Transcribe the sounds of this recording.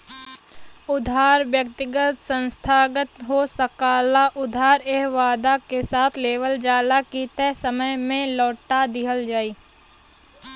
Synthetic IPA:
ʊd̪ʱaːɾʋjək̚t̪ɪɡət̪sə̃nst̪ʰaːɡət̪ɦosəkaːlaʔʊd̪ʱaːɾeɦʋaːd̪akesaːt̪ʰleːʋəld͡ʒaːlakit̪ɛsəməjmẽlɔːʈad̪ɪɦəld͡ʒaːiː

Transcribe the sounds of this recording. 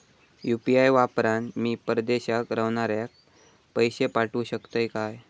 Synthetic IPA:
jupiajʋapɾanmiːpəɾd̪eɕakɾəʋɳaɾjak̚ | pəjɕepaʈuːɕəkt̪əjkaj

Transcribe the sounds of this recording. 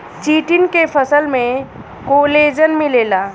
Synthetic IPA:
t͡ɕiːʈinkefəsəlmẽ | koːleːd͡ʒənmileːlaː

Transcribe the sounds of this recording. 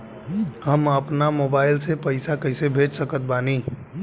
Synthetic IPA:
həməpnamoːbaːɪlsepəɪsakəɪsebʱed͡ʒsəkət̪̚baːni

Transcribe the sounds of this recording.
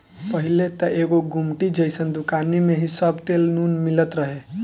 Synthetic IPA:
pəɦilet̪əʔeɡoɡumʈid͡ʒəjsənd̪ukanimeɦisəbʱt̪elnunmilət̪ɾəɦe

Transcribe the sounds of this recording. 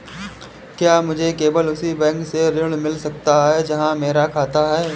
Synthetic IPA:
kjaːmʊd͡ʒʱekeːbəlʊsibɛ̃ːŋkseɾɪɽ̃mɪlsɐkt̪aɦɛd͡ʒɐɦãmeːɾakʰaːt̪aɦɛː

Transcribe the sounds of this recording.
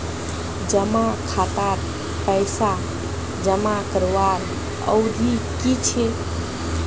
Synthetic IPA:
d͡ʒəmakʰat̪aɾ | pəɪsa | d͡ʒəmakəɾʋaɾ | ə̰wd̪ʱikit͡ʃʰe

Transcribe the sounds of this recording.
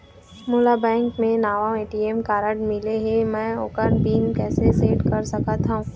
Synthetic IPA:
moːlabɛ̃ːŋkmẽnaːʋãeːʈiemkaːɾəɖmɪleɦemɛ̃ːoːkənbiːnkɛːseseːʈkɐɾsɐkat̪aũː

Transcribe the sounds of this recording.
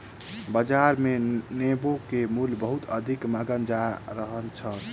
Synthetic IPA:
bəd͡ʒaɾmenebokemulbəɦut̪əd̪ʱikmaɡənd͡ʒaɾəɦənt͡ʃʰə

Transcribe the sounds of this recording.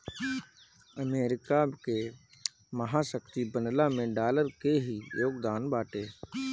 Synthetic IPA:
əmeːɾɪkake | məɦasəkt̪ibənlamẽɖaːləɾkeɦijoːɡd̪aːnbaːʈeː

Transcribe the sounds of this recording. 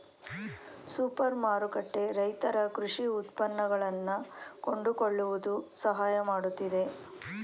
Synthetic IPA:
suːpɐɾmaːɾukɐʈːe̞ɾɐjt̪ɐɾɐkɾuʂiut̪pɐnːɐɡɐɭɐnːuko̞ɳɖuko̞ɭːuʋud̪usɐɦaːjɐmaːɽut̪ːid̪e̞

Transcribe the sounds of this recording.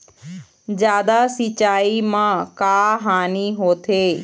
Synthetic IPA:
zjaːd̪asɪt͡ʃaːimãːkaːɦaːniɦoːt̪ʰeː

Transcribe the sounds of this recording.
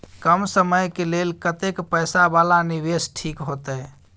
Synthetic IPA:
kəmsəməjkelelkət̪ekpəjsabalaniʋesʈʰikɦot̪ɛ

